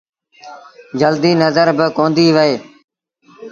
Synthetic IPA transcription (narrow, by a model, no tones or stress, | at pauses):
d͡ʒəld̪iːnəzəɾbɪkõːnd̪iːʋəeː